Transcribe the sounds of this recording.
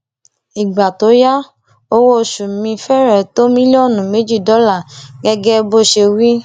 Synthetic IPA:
i˨ɡ͡ba˨to˨˦ja˦ | o˦wo˦˧˨ʃu˨mĩ˧fɛ˦ɾɛ˦˨to˦mĩ˦lɔ˦˨nũ˨me˨˦d͡ʒi˦˨dɔ˨˦la˦˨ɡɛ˧ɡɛ˦bo˦ʃe˧wi˦

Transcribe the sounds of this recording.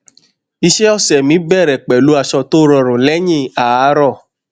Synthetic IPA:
i˧ʃe˦ɔ˦˨sɛ˨mĩ˨˦bɛ˦˨ɾɛ˨k͡pɛ˨lu˨˦a˦˧˨ʃɔ˧to˦ɾɔ˨ɾ̃ũ˨lɛ˦ɲĩ˦˨a˨a˨˦ɾɔ˦˨

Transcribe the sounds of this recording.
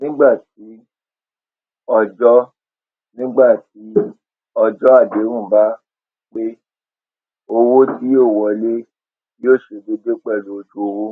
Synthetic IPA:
nĩ˦ɡ͡ba˦˨ti˨˦ | ɔ˧d͡ʒɔ˦ | nĩ˦ɡ͡ba˦˨ti˨˦ | ɔ˧d͡ʒɔ˦a˦˨de˨˦ɾ̃ũ˦˨ba˦ | k͡pe˦ | o˧wo˦ti˦jo˦˨wɔ˨˧˨le˦ | joː˦˨ʃe˧be˧de˦k͡pɛ˦˨lo˨o˧d͡ʒu˦o˧wu˦

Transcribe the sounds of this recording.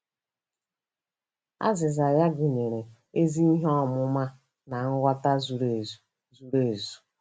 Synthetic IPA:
a̰˦zɪ˨za˨ja˦ɡe˨ɲe˨ɾe˨ | e˦zi˦i˦ɦɔ˦˨mʊ˦ma˦ | na˨ŋ̩˦ɡʷa˦ta˦zu˨ɾe˨ | zu˨ɾe˦˨zu̥˨

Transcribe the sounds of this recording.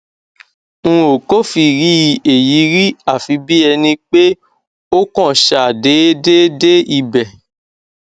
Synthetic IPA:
ŋ̩̃˦o˨ko˦fi˧ɾi˦˧e˨ji˨˦ɾi˦a˦˨fi˨˧bi˦ɛ˧nĩ˧k͡pe˦ | o˦kɔ̃˦˨ʃa˨de˨˦de˦de˦i˧bɛ˨

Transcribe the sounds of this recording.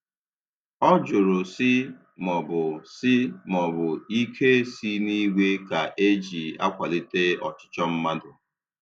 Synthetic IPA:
ɔ˦d͡ʒʊ˨ɾʊ˨sɪ˦ | mɔ˨bʊ˨sɪ˦mɔ˨bʊ˨i˦kʰe˦si˦ni˦ɡʷe˦ka˨ʔe˦d͡ʒi˨a̰˦kʷa˨li˦te˦ɔ˨t͡ʃɪ̥˦t͡ʃɔ˦m̩˦ma˦dʊ˨

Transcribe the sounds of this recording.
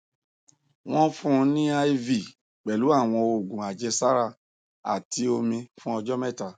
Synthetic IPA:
w̃ɔ̃˦fũ˦˧nĩ˦a˧i˦vi˨ | k͡pɛ˨lu˨˦a˦˨w̃ɔ̃˧o˨ɡũ˨a˨d͡ʒɛ˧sa˦ɾa˦˨ | a̰˨ti˧o˧mĩ˧fũ˦ɔ˧d͡ʒɔ˦mɛ˦˨ta˨

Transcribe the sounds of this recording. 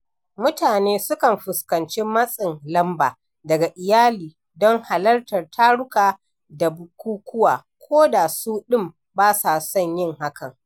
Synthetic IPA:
mʊ˦taː˨neː˦sʊ˦kɐ˨mɸʊ˨skɐ˨nt͡ʃe˦mɐ˦sʼɪ˨ŋlɐ˦mba̰ː˨ | dɐ˨ɡa˨ʔɪ˨jaː˦liː˨ | dɔ˦ŋha˨lɐ˦rtɐ˨rtʰaː˦ɽʊ˦kaː˨ | da˨bʊ˨kʷuː˦kʷʊ˦waː˨kʷʰoː˦da˨suː˦ɗɪ˦˨m | baː˦sa˨sɔ˦˨ɲjɪ˦ŋha˦kɐ˨ŋ

